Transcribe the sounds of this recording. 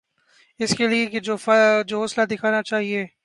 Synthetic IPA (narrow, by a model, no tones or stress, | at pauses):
ɪskelieked͡ʒoːfd͡ʒoːoːslad̪ɪkʰaːnat͡ʃaːɦieː